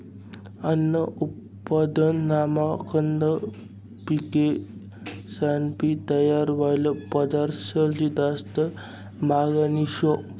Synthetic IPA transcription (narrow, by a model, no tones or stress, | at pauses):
ənːəʔup | pːad̪ənːamakənd̪ə | pike | sanpit̪əjaɾʋajləpəd̪aɾɕəld͡ʑid̪ast̪ə | maɡaniɕo